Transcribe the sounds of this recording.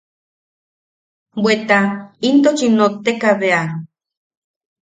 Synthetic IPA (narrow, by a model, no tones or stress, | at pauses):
bwet̪aint̪ot͡ʃinot̪ekaβea